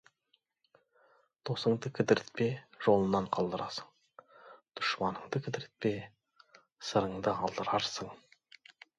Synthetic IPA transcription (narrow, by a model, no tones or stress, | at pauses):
t̪ʰo̞səɴd̪əkʲʰɪd̪ɪɾɪt̪̚pe̞ʒ̥o̞lˠənːɑɴqʰɑlˠd̪əɾʔɑsəɴ | d̪̥ʊ̥ʃmɑnəɴd̪əkʲʰɪd̪ɪɾɪt̪̚pe̞ | səɾəɴd̪əɑlˠd̪əɾɑɾsəɴ